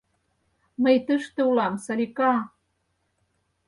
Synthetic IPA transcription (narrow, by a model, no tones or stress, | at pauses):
məjt̪əʃt̪ĕulɑmsɑlʲikɑ